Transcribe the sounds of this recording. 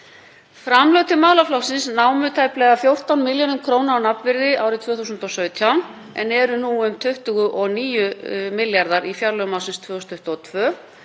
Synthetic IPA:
fɾamlœːwt̪ɪmaːwlaflawsɪnsnaːwmʏt̪ʰaːjplɛːɣafjowr̥t̪awnmɪljonʏmkʰɾoːwnaawnapvɪɾðɪʔaːwɾɪt̪ʰv̥œːθuːsʏnt̪ɔsœːɥt̪ʰjawn | ɛ̰nɛɾʏnuʏmt̪ʰʏht̪ʏɣʏʔɔɣniːjʏmɪljaɾðaɾifjaɾlœɣmaːwsɪnst̪ʰv̥œːusnʰʏht̪ɔt̪ʰvœː

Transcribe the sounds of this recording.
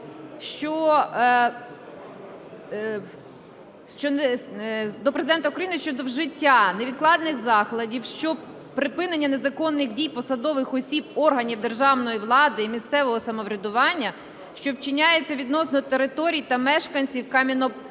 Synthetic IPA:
ʃt͡ʃɔ | ʃt͡ʃɔn | d̪ɔpɾezɪd̪ɛnt̪ɐukɾɐjinɨʃt͡ʃɔd̪ɔwʒɪtʲːaneʋʲid̪klˠɑd̪nɪxzɑxlˠɐdʲiwʃt͡ʃɔ | pɾɪpɪnenʲːɐne̞zɐkɔnːɪxdʲijpɔsɐd̪ɔʋɪxɔsʲibɔrɦɐnʲiwd̪erʒɑwnɔjiʋlˠɑd̪ɪimʲist̪sɛʋɔɦɔsɐmɔʋɾʲɐd̪ʊʋɑnʲːɐ | ʃt͡ʃɔwt͡ʃɪnʲajet͡sʲːɐʋʲid̪nɔsnɔɔt̪eɾɪt̪ɔɾʲijt̪ɐmɛʃkɐnʲt͡sʲiwkɑmʲinɔ

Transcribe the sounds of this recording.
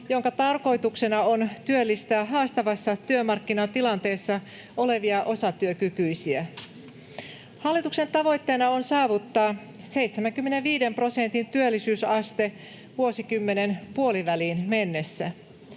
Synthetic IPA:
joŋkɑt̪ɑrko̞jt̪ukse̞nɑont̪yølːist̪æːɦɑːst̪ɑʋɑsːɑt̪yømɑrkːinɑnt̪ilɑnt̪e̞ːsːɑ | ʔole̞ʋiɑʔo̞sɑt̪yøkykyjsiæ | hɑlːit̪ukse̞nt̪ɑʋo̞jt̪ːeːnɑonsɑːʋut̪ːɑː | se̞jt̪semæŋkymːeneʋʋiːde̞mpro̞sent̪int̪yølːisyːsɑst̪e̞ | ʋuo̞sikymːe̞ne̞npuo̞liʋæliːnme̞nːesːæ

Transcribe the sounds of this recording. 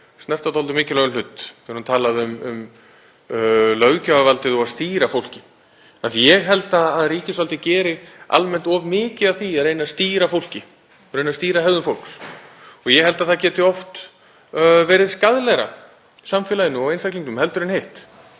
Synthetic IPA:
stnɛrt̪at̪ɔlt̪ʏmɪːcɪlœɣʏnlʏt̪ːɛɾhunt̪ʰaːlaðʏmʏm | lœɣcavavalt̪ɪðɔɣaðst̪iːɾafowl̥cɪ | aθijɛɣɦɛlt̪aːðriːcɪsvalt̪ɪcɛːɾɪa̰lmɛn̥t̪ɔvmɪːcɪðaθiaɾejnast̪iːɾafowl̥cɪ | ɔɾejnast̪iːɾaɦɛððʏnfowlksɔɣjɛhɛlt̪aðθacɛːt̪ɪɔft̪ | vɛːɾɪðskaðlɛɾa̰ | samfɛːlajɪnːʏmɔɣejnsakliŋk̪ʏmhɛlt̪ʏɾɪnhejht̪

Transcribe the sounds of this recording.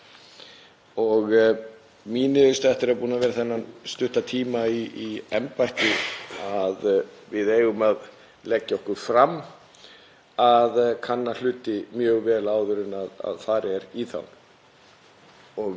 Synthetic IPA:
ɔɣ | miːnɪðʏst̪aɛht̪ɪɾɛapuːnavɛːɾaθɛnːanst̪ʏht̪at̪ʰiːmaiiɛmpajht̪ɪaðvɪðeːjɣʏmað | lɛcːaɔhkʏɾ̥fɾamː | aðkʰanːal̥ʏːt̪ɪmjœːɣvɛːlaːwðʏɾʏnaða̰ðθaɾɛɾiθa̰wn | ɔɣ

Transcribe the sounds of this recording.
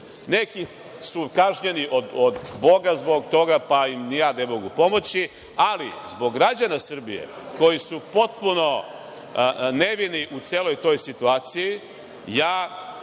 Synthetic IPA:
ne̞ki | sukaʒɲe̞niʔod̪od̪bo̞ɡazbo̞ɡ̚t̪o̞ɡapaimnijaːnemo̞ɡupo̞mo̞t͡ɕi | alizbo̞ɡːɾad͡ʑanasr̩bijḛ | ko̞jisupo̞t̪puno̞ | ne̞ʋiniʔut̪seːlo̞jt̪o̞jsit̪uaːt̪siji | jaː

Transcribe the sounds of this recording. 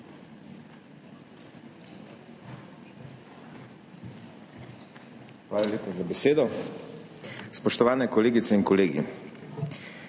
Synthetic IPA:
xʋaːlaleːpazabɛseːd̪ɔ | spɔʃt̪ɔʋaːnɛkɔleːɡit̪sɛinkɔleːɡḭ

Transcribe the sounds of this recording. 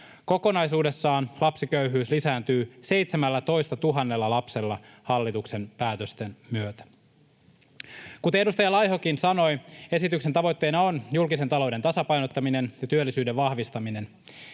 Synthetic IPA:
ko̞ko̞nɑjsuːde̞sːɑːnlɑpsikøyɦyːslisæːnt̪yːse̞jt̪semælːæt̪o̞jst̪ɑt̪uɦɑnːe̞lːɑlɑpse̞lːɑhɑlːit̪ukse̞npæːt̪øst̪enmyøt̪æ̥ | kut̪edust̪ɑjɑlɑjɦokinsɑno̞je̞sit̪yksent̪ɑʋo̞jt̪ːe̞jnɑo̞njulkise̞nt̪ɑlo̞wde̞nt̪ɑsɑpɑjnot̪ːɑmine̞njɑt̪yølːisyːde̞ʋʋɑhʋist̪ɑmine̞n

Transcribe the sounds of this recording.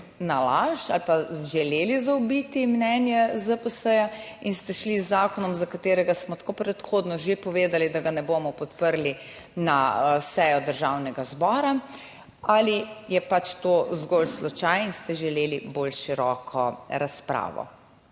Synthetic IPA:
nalaʃa̰lpaʒɛleːlizawbit̪imnɛnjɛzəpəsəjainst̪ɛʃlizːaːkɔnɔmzakat̪eːɾɛɡasmɔt̪koːpɾɛt̪xoːd̪nɔʒepɔʋeːd̪alid̪aɡanɛboːmɔpɔt̪pəɾli | nasɛjɔd̪əɾʒawnɛɡazbɔːɾa | alijɛpat͡ʃt̪ozɡolslɔt͡ʃajinst̪ɛʒɛleːlibolʃiɾɔːkʰɔɾaspɾa̰ːʋɔ̰

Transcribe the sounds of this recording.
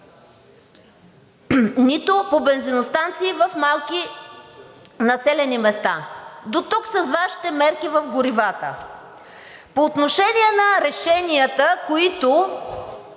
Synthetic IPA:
nit̪opobɛnzinost̪ant̪siːvəfmalˠki | nɐsɛlɛnimɛst̪ad̪ot̪uksɐzvaʃi̥t̪ɛmɛɾkivəfɡʊɾivat̪ə̰ | poːt̪noʃɛniɛnɐɾɛʃɛniət̪əkoit̪o

